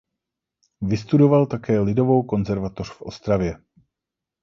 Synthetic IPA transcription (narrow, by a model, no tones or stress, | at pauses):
vɪst̪udo̞valt̪akɛːlɪdo̞vo̞wko̞nzɛɾvat̪orfʔo̞̰st̪ɾavjɛ